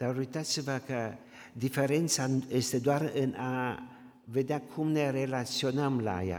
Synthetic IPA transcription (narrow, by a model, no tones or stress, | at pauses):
d̪̥aoɾit̪at̪sevakə | d̪ifeɾent̪sajest̪ed̪oarɨna | ved̪eakʰumnerelasionəmla̰ja̰